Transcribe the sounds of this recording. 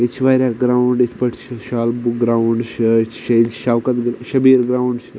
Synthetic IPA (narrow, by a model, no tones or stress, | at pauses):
it͡ʃʰʋaːɾʲaɡɾaːuɳɖit̪ʰpɐʈʰt͡ʃʰʃaːlbuk̚ɡɾauɳɖʃt͡ʃʰʃɐjlʰʃaːʋkɐt̪ɡʃɐbiːɾɡɾaːuɳɖt͡ʃ